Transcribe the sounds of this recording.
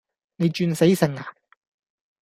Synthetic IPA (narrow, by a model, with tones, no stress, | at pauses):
ne˨˧jt͡ʃyː˧nse˨˥jsɐ˨˩ŋaː˨